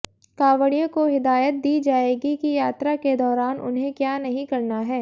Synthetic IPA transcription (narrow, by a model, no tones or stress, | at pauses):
kaːʋəɽijõkoɦɪd̪aːjət̪̚d̪iːd͡ʒaːeːɡikijaːt̪ɾaked̪ɔːɾaːnʔʊ̰nɦẽkjaːnɐɦĩkɐɾnaɦɛː